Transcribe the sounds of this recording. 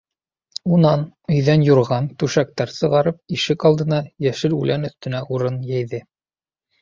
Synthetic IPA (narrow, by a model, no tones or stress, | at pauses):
unɑnɵ̆jðænjŭɾʁɑnt̪ʉʃæk̚t̪æɾsɤ̆ʁɑɾɤp̚iʃɘkɑlˠd̪ɤ̆nɑjæʃɘɾulʔænɵ̆θt̪ɵ̆næʔuɾɤnjæjðɘ